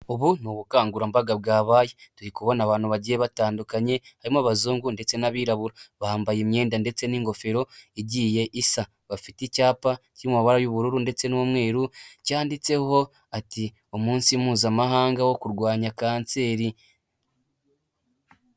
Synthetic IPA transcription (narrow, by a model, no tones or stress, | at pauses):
oβunuβukaːŋɡuɾambaɡabɡaːβaːjetuɾikuβo̞naβaːnuβaɟijeβataːndukaɲe̞haɾimaβazuːŋɡunde̞t͡se̞naβiːɾaβuɾaβaːmbajemɲe̞ːndande̞t͡se̞niːŋɡo̞fe̞ɾo̞iɟiːje̞ʔisa | βafiticaːpaciimumaβaɾajuβuɾuɾunde̞t͡se̞nuumŋwe̞ːɾucaːndit͡se̞ho̞ | ati | omuːnsimuːzamaɦaːŋɡawo̞kuɾɡwaːɲakaːnt͡se̞ːɾi